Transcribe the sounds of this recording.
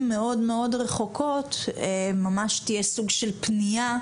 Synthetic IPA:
mːeo̞dmeo̞dʁeχo̞kʰo̞t̪mamaʃt̪ijesuɡʃelpnija

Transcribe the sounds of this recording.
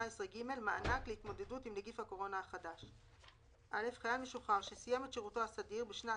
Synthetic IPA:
aesʁeɡime̞lmaanaklehitmo̞d̪edutimleɡifhako̞ʁo̞naaχadaʃ | ʔale̞fχajalmeʃuχaʁʃesijame̞tʃeʁuto̞asadiʁbeʃna

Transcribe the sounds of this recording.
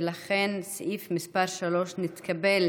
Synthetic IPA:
laχensʔifmispaʁʃalo̞ʃnit̪kabel

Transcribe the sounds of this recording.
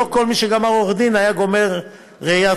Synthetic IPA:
oko̞lmiʃeɡamaʁoʁd̪inajaɡo̞me̞ʁː | eja

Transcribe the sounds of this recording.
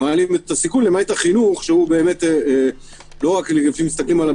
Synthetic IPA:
alimet̪asikunlemajtaχinuχʃeube̞ːme̞te | lo̞ʁaklɡefimist̪aklimala

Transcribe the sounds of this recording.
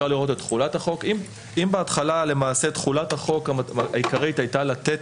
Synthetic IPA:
aliʁo̞t̬etχulathaχo̞kim | imbeatχalale̞maːset̪χulathaχo̞kaaikaʁitajtalat̪et

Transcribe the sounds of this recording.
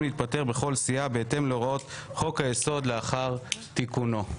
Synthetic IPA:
nit̪̚pate̞ʁbeχo̞lsiabeet̪e̞mloʁot̪χo̞khajeso̞d̪leaχaʁt̪ikuno̞

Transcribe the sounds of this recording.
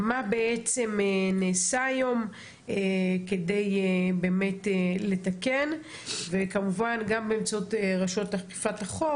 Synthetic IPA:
mabeʔet͡se̞meneːsajom | ekedejbe̞ːme̞tele̞take̞n | vekamuvanɡambeːmt͡saotʁaʃo̞tlaχki̥fataχo

